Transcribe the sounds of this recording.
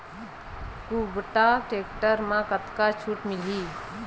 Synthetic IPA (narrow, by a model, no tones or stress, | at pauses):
kubəʈaʈeːkʈəɾmãkət̪kat͡ʃʰuːʈmɪliː